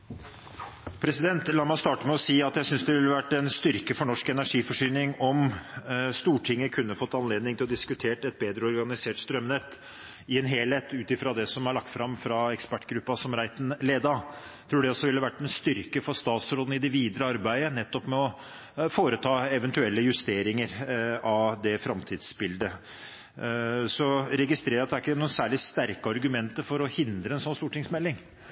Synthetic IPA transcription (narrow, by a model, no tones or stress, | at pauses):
pʰɾɛsɪd̪ɛnt̪lɑːɾmæɪst̪ɑːʈəmɛɔsiːɑt̪jæɪsʏnsd̪ɛʋɪlːəʋæʈːɛnst̪ʏɾkəfɔɳɔʂkɛnæʂiːfɔʂyːnɪŋɔm | st̪uːʈʰɪŋːəkʰʉnːəfɔt̪ːɑnleːd̪nɪŋt̪ɪlɔd̪ɪskʉt̪ʰeːʈɛt̪̚beːd̪ɾəɔɾɡɑnɪseːʈst̪ɾœmnɛt̪ː | ɪɛnɦeːleːt̪ʉːt̪ɪfɾɑd̪ɛsɔmæɭɑk̚t̪fɾɑmfɾɑɛkspæʈːɡɾʉpːɑsɔmɾæɪt̪n̩leːd̪ɑ | t̪ʰɾuːɖɛɔsːɔʋɪlːɑʋæʈːmɛst̪ʏɾkəfɔɾst̪ɑːt̪sɾoːd̪n̩ɪd̪ɛʋiːd̪ɾəɑɾbæɪənɛt̪ːɔpmɛɔ | foːɾət̪ʰɑːɛʋɛnt̪ʉɛlːəjʉst̪eːɾɪŋəɾɑʋd̪ɛfɾɑmt̪ʰiːd̪sbɪld̪ə | sɔɾɛɡɪst̪ɾeːɾɑt̪d̪æɾɪkːəənuːnsæːɭɪst̪æɾkəɑɾɡʉmɛnt̪əɾfɔɾɔhɪnd̪ɾəɛnsɔnst̪uːʈʰɪŋsmɛlːɪŋ